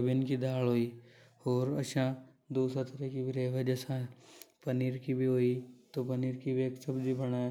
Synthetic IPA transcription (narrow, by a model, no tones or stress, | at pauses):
bɪnkid̪ʱaːlɦoːi | oːɾɐ̰ʃã | d̪oːsat̪əɾɛkibiɾeːʋɐd͡ʒɛːsãpɐniːɾkibʱiɦoːit̪opɐniːɾkibeːksɐbd͡ʒibɐɽ̃aː